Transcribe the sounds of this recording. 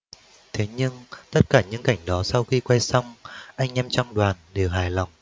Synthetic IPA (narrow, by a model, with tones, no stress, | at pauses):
t̪ʰe˨˦ɲɨ˧ŋt̪ə˦˥t̚kaː˧˩ɲɨ̰˧˥ŋka˧˩jŋ̟ɗɔ˨˦sa˧wxi˧kwa˧jsa˧wŋ͡mʔa˧jŋ̟ʔɛ˧mt͡ɕɔ˧wŋ͡mɗwaː˨˩nɗe˨˩wɦaː˨˩jla˨˩wŋ͡m